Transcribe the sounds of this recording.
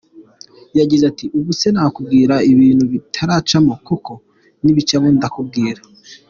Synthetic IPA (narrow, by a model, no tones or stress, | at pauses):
jaɡizatiʔuβusenaːkub̚ɡiːɾaiβiːnhuβitʰaɾat͡ʃamokuko̞ | niβit͡ʃaβondakub̚ɡiːɾa